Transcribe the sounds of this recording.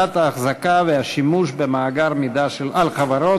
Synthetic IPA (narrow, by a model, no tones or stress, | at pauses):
at̪haːχzakavehaʃimuʃbemaːɡaʁmid̪aʃelalχavaɾo